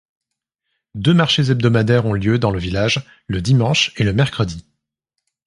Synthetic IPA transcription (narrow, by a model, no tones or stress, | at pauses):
d̪ømaʁʃezɛb̚d̪ɔmad̪ɛʁɔ̃ljød̪ɑ̃ləvilaʒ | ləd̪imɑ̃ʃeləmɛʁkχəd̪i